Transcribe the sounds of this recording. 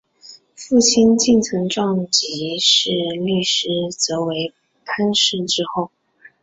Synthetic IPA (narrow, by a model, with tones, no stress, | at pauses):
fu˥˩ɕʰi˥nt͡ɕi˥˩nt͡sʰɤ˧˥ŋʈ͡ʂɑ˥˩ŋt͡ɕi˧˥ʂɻ̩˥˧ly˥˩ʂɻ̩˥t͡sɤ˧˥we˧˥ɪ | pʰa˥nʂɻ̩˥˧˩ʈ͡ʂɻ̩˥xo˥˩ʊ